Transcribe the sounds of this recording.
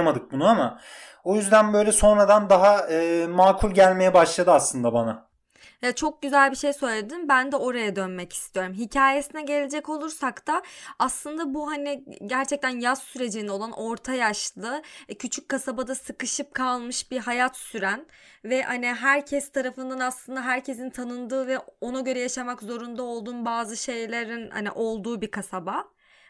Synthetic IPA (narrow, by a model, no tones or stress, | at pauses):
mad̪ɯk̚bunuama | ojyzd̪ænbø̞jlʲɛso̞nɾad̪and̪aɦaɯːmaːkʰulʲɟælʲme̞jɛbaʃlˠad̪ɯaslˠɯnd̪abana | jat͡ʃʰo̞k̚ɟyzælʲbiʃejsø̞jlʲed̪inbænd̪ɛo̞ɾajad̪ønmɛcʰi̥st̪ʰijo̞ɾumɦicʰaːje̞sinɛɟe̞lʲed͡ʒɛco̞lˠuɾsakt̪ʰaaslˠɯnd̪abuɦaniɟæɾt͡ʃʰɛc̚t̪ʰænjazsyɾe̞d͡ʒind̪ɛo̞lˠanʔo̞ɾt̪ʰajaʃlˠɯcʰyt͡ʃʰyc̚kːasabad̪asɯkɯʃɯp̚kʰalˠmɯʃbiɦajat̪syɾæn | vɛhaniɦæɾcʰɛst̪ʰaɾafɯnd̪anaslˠɯnd̪aɦæɾcʰe̞sint̪ʰanɯnd̪ɯːvɛo̞naɟø̞ɾɛjaʃamakzo̞ɾund̪ao̞lˠd̪uːnbaːzɯʃe̞jlʲeɾinha̰nḭʔo̞lˠd̪uːbikʰasaba